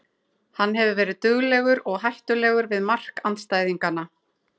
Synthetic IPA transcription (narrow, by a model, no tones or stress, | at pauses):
hanːɦɛvʏvɛːɾɪðt̪ʏɣlɛɣʏɾɔɣɦajht̪ʏlɛːɣʏɾvɪðmar̥kant̪st̪aːjðiŋkanːa